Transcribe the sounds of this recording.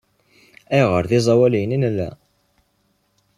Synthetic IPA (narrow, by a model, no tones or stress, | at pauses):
æjʁəɾðizˤɑwæljninlːæ̰